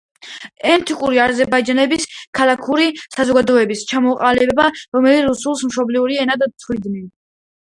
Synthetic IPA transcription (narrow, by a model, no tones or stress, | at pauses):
ɛnt̪ʰikʼuɾiazɛɾbaid͡ʒanɛbiskʰalˠakʰuɾisazɔɡad̪ɔɛbist͡ʃʰamɔqʼalɛbɛbaɾɔmɛliɾusulˠsmʃɔbliuɾiɛnad̪t̪ʰɾid̪ni